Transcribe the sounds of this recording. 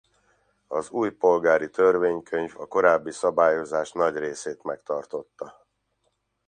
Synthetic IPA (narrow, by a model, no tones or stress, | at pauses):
ɒzuːjpo̞lɡaːɾit̪ørveːɲkʰø̞ɲvɒ̰ko̞ɾaːbːisɒbaːjo̞zaːʃnɒɟreːseːt̪mɛkt̪ɒrt̪o̞t̪ːɒ